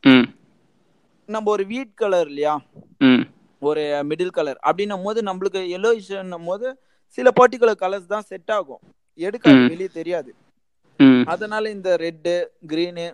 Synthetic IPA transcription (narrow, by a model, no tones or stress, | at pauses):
nɐmbɐɔɾɯʋiːʈkɐlɐɾɪlɐjaː | ɔɾɯmɪɽɯlkɐlɐɾɐ̰pːɐɽɪnːɐmoːðɯnɐmbɐɭɯk̬ːɯɛlːoːɪsɐnːɐmoːðɯ | sɪlɐpaːɾʈ̬ːɪk̬ːɯɭɐɾkɐlɐɾst̪ãːsɛʈːaːɣʊ̰̃ | ɛɽɯkːaðɐʋɛlɪjɐt̪ɛɾɪjaːðɯ | ɐðɐnaːlɐɪnd̪ɐɾɛɖːɯɡɪɾiːnɯ